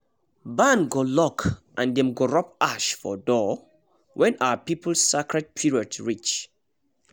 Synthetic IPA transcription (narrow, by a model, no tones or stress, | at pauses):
bãnɡolɔkʰʔãndɛ̃mɡoɹɔpaʃfɔ̰dɔ | wʔɛ̃naəpipʰəl̩ssɛkɹɛd̚pʰiɹiədɹit͡ʃ